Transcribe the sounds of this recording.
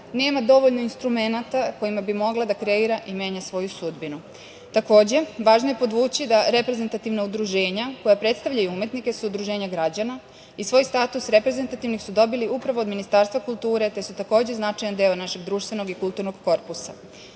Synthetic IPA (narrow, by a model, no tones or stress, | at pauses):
ne̞ːmad̪o̞ʋo̞ʎnoinst̪ɾume̞nat̪ako̞imabimo̞ɡlˠad̪akɾe̞iɾaʔime̞ːɲasʋo̞jusud̪binu | t̪ako̞ːd͡ʑe̞ʋaːʒnoje̞po̞d̪ʋuːt͡ɕid̪aɾepɾe̞ze̞nt̪at̪iʋnaud̪ɾuʒe̞ːɲako̞japɾe̞t̪st̪aʋʎajuume̞t̪nike̞suud̪ɾuʒe̞ːɲaɡɾad͡ʑana | isʋo̞ːjst̪aːt̪usɾe̞pɾe̞zent̪at̪iʋnixsud̪o̞biliupɾaʋod̪minist̪aːɾst̪ʋakulˠt̪uːɾe̞t̪e̞sut̪ako̞ːd͡ʑe̞znat͡ʃajand̪e̞onaʃe̞ɡd̪ɾuːʃt̪ʋe̞no̞ɡikult̪uɾnoɡko̞ɾpusa